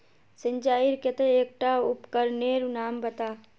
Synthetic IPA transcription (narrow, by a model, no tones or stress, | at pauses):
sɪɲt͡ʃaːɪɾkɛt̪eeːk̚ʈaʊpkəɾneːɾnaːmbət̪aː